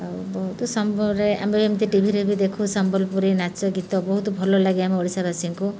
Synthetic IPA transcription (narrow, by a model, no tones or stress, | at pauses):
bɔɦut̪ɔsɔmbɔɾea̰meamit̪iʈibʱiɾebid̪ekʰũsɔmbɔlpuɾinat͡ʃɔɡit̪ɔbɔɦut̪ɔbʱɔlɔlaɡiamiɔɽisabʱasiŋku